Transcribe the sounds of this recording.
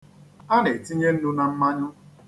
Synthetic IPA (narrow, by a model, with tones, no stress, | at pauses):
a˦ne˨ti˦ɲe˦n̩˦nʊ˦na˨m̩˦ma˦ɲʊ˦